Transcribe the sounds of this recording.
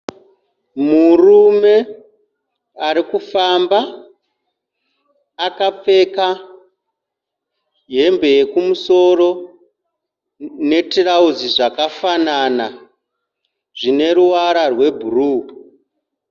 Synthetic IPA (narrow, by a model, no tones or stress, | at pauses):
murume̞ | aɾikufamba | kap͡fe̞ka | ɦe̞mbe̞je̞kumuso̞ro̞ | ne̞tirauziʐakafanana | ʐine̞ɾuwaɾarwe̞bʱuruː